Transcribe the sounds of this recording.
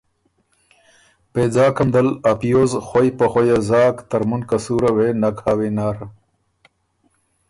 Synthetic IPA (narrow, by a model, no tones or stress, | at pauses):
peːd͡zaːkɐmd̪ɐlɐpjoːzxojpɐxojazaːkt̪ɐɾmunkɐsuːɾɐwenɐkhaːwenaːɾ